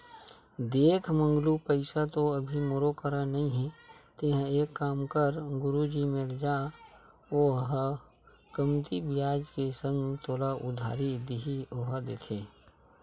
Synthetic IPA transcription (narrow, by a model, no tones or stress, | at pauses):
d̪eːkʰmə̃ŋɡlupəɪsat̪oəbʱimoɾokəɾanəɦĩɦɛ̃t̪ɪɦə̃eːkːaːmkəɾɡʊɾud͡ʒimeɾd͡ʒaː | oɦ | kəmt̪ibɪjaːd͡ʒkesə̃ŋɡt̪oːlaʔʊd̪ʱa̰ːɾid̪ɪɦioɦd̪eːk̪ʰeː